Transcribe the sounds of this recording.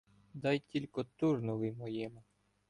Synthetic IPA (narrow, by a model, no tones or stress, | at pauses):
d̪ɑjtʲilʲkɔt̪urnɔʋɪjmɔjɪmʊ